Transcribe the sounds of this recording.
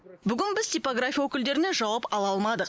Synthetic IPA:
bʏɡʲɪnbɪzt̪ʰʲijpoɡrafʲijawokʲɪld̪e̞ɾɪne̞ʒɑwɑpɑlˠɑlˠmɑd̪əq

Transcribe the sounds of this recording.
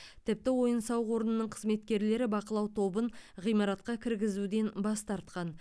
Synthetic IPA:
t̪ʰɪp̚t̪ɪwo̞jənsɑwʁo̞ɾənənəɴqʰəzme̞t̪kʲe̞ɾle̞ɾɪbɑqəlˠɑwt̪ʰo̞bəɴʁijmɑɾɑt̪qɑkʲʰɪɾɡʲɪzud̪e̞nbɑst̪ɑɾt̪qɑn

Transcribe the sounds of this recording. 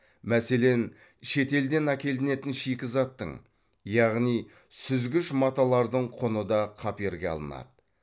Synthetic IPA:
mæse̞le̞n | ʃe̞t̪e̞ld̪e̞nækʲe̞ld̪ɪne̞t̪ɪnʃikʲɪzɑt̪ːə̰ɴ | jɑʁnij | sʏzɡʲɪʃmɑt̪ɑlˠɑɾd̪əɴqʰonəd̪ɑqʰɑpe̞ɾɡʲeɑ̰lˠə̰nɑ̰d̪ə

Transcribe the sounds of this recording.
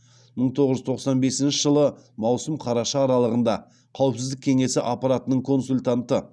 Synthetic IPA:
məɴt̪ʰo̞ʁəʒʏzt̪ʰo̞qsɑnbe̞sɪnʃɪʒəlˠəmɑwsəmqʰɑɾɑʃɑːɾɑlˠəʁənd̪ɑ | qʰɑwəpsɪzd̪ɪkʲʰe̞ŋe̞sɪʔapɑɾat̪ənəɴkʰo̞nsulʲt̪ant̪ə

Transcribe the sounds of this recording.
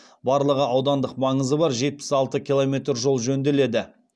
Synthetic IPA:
bɑɾlˠəʁəɑwd̪ɑnd̪əqmɑɴəzəbɑɾʒe̞t̪̚pɪ̥sɑlˠt̪əkʲʰilˠomʲe̞t̪ɾʒo̞lˠʒɵnd̪e̞le̞d̪ɪ

